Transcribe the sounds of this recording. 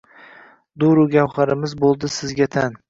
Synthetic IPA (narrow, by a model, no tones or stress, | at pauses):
d̪ʊɾʊɡʲawχaɾɪmɪzbolˠd̪ɪsɪzɡʲat̪ʰan